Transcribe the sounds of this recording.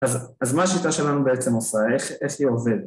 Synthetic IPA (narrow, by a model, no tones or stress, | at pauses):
azazmaːʃit̪aʃe̞lanube̞et͡semosaeχeχiove̞d